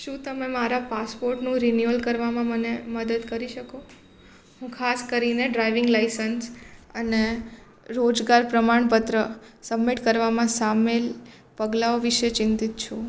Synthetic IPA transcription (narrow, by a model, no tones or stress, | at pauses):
ʃũt̪əmemaɾapaspoɾʈnũɾinjuəlkəɾʋamãməneməd̪əd̪kəɾiʃəko | ɦũkʰaskəɾineɖɾajʋɪŋɡlajsənsəne | ɾod͡ʒɡaɾpɾəmaɳpət̪ɾəsəbmiʈkəɾʋamãsamel | pəɡlaoʋiʃet͡ʃɪ̃nt̪it̪t͡ʃʰũ